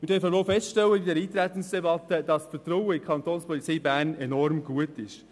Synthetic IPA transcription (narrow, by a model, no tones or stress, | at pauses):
mɪɾdœɾfəʋoːfɛstʃtɛwːəbidɛːɾiːt̪ɾæt̪ən̩sd̥ɛbɑt̪ːəd̥ɑsfətɾɔwəɪkʰɑntoːnspɔlit͡siːbæːnɛnɔɾmɡuətɪʃ